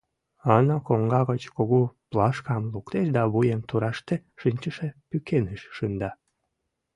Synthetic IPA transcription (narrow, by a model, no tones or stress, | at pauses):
ɑnɑkoŋɡɑɣət͡ɕkoɣoplɑʃkɑmlukt̪eʃd̪ɑβujemt̪uɾɑʃt̪eʃinʲt͡ɕəʃe̽pykʰeneʃːɯnd̪ɑ